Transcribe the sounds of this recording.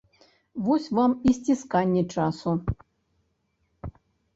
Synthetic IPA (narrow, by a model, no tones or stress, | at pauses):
vosʲvamisʲtʲiskanʲːet͡ʂasu